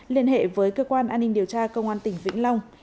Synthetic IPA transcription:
li˧ənhḛ˧˨vəː˨˦jkəː˧kwaː˧nʔaː˧nːï˧ŋ̟ɗi˨˩əwt͡ɕaː˧kə˧wŋ͡mʔaː˧nt̪ï˨˩ŋ̟vḭ˧˥ŋ̟la˧wŋ͡m

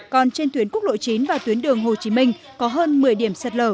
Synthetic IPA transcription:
kɔ˨˩nt͡ɕe˧nt̪wi˨˦ənku˦˥k̚ɗo̰˧˨jt͡ɕi˨˦nvaː˨˩t̪wi˨˦ənɗɨ˨˩əŋɦo˨˩t͡ɕi˨˦mï˧ŋ̟ | kɔ˨˦ɦəː˧nmɨ˨˩əjɗi˧˩əmsə˨˩t̚ləː˧˩

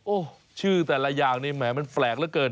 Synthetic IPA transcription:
ʔoː˧˩ | t͡ɕʰɯː˥˩t̪ɛː˨˩la˧jaː˨˩ŋniː˧˩mɛː˩˨˦ma˧nplɛː˨˩k̚lɛ˦˥˩kɤː˨˩n

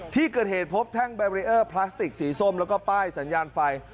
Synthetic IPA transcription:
t̪ʰiː˥˩kɤː˨˩t̪̚heː˨˩t̪̚pʰo˦˥p̚t̪ʰɛ˥˩ŋbɛː˧wɾi˦˧˥ʔɤː˥˩pʰlaː˦˥st̪i˨˩k̚siː˩˦so˥˩mlɛː˦˥wkɔː˥˩paː˥˩jsa˩˦njaː˧nfa˧j

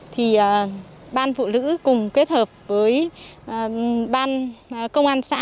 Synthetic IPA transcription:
t̪ʰi˨˩ʔəː˨˩ | ɓaː˧nfṵ˧˨lɨ̰˧˥kʊ˨˩ŋ͡mke˦˥t̚həː˨˩p̚vəː˨˦j | ɓaː˧n˨˩kə˧wŋ͡mʔaː˧nsa̰ː˧˥

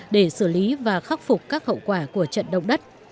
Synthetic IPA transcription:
ɗe˧˩sɨ˧˩li˨˦vaː˨˩xa˦˥k͡p̚fʊ˨˩k͡p̚kaː˦˥k̚hə̰˧˨wkwaː˧˩ku˧˩ət͡ɕə̰˧˨nɗə̰˧˨wŋ͡mɗə˦˥t̚

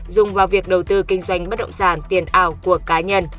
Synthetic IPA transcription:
zʊ˨˩ŋ͡mvaː˨˩wvi˨˩ək̚ɗə˨˩wt̪ɨ˧kï˧ŋ̟zwa˧˩jŋ̟ɓə˦˥ɗə̰˧˨ŋ͡msaː˧˩nt̪i˨˩ənʔaː˧˩wku˨˩əkaː˨˦ɲə˧n

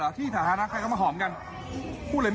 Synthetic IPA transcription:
a˨˧˦t̪ʰiː˥˩t̪ʰaː˨˦naː˧˥na˦˥kʰa˧kʰa˧˩ma˧ɦɔː˩˦mka˧n | pʰuː˥˩ləː˧˦

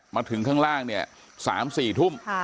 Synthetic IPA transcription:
maː˧t̪ʰɯ˨˩˦ŋkʰaː˥˩ŋɾaː˥˩ŋni˥˩ɐ | sa̰ː˩˦msiː˨˩t̪ʰu˥˩m

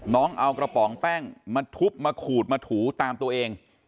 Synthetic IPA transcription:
nɔː˦˥ŋʔa˧wkɾa˧pɔː˩˦ŋpɛː˥˩ŋmaː˧t̪ʰu˦˥p̚maː˧kʰuː˨˩t̪̚maː˧t̪ʰuː˩˦t̪aː˧mt̪u˧ɐʔeː˧ŋ

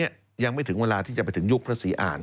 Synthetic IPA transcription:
i˥ɐ | ja˧ŋma˥˩jt̪ʰɯ˩˦ŋweː˧laː˧t̪ʰiː˥˩t͡ɕa˨˩pa˧jt̪ʰɯ˩˦ŋju˦˥˩k̚pʰɾa˦˧˥siː˨˦ʔa̰ː˨˩n

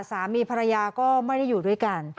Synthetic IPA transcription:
saː˩˦miː˧pʰa˧ɾa˧jaː˧kɔː˥˩ma˥˩jda˥˩jːuː˨˩du˥˩əjka˧n

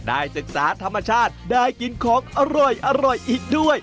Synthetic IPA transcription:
daː˥˩jsɯ˨˩k̚saː˩˦t̪ʰa˧mːa˧t͡ɕʰaː˥˩t̪̚daː˥˩jki˧˩nkʰɔː˨˦ŋʔa˧ɾɔ˨˩jʔa˧ɾɔ˨˩jʔiː˨˩k̚du˥˩əj

